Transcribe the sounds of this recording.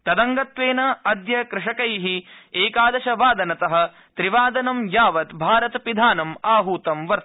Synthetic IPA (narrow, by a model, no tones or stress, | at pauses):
t̪ɐd̪ɐŋɡɐt̪ʋeːnɐɐd̪jɐkɾɪʂɐkɐjɦieːkaːd̪ɐʃɐʋaːd̪ɐnɐt̪ɐɦɐ̆ | t̪ɾiʋaːd̪ɐnɐmjaːʋɐt̪bʱaːɾɐt̪ɐpid̪ʱaːnɐmaːɦuːt̪ɐmʋɐɾt̪ɐ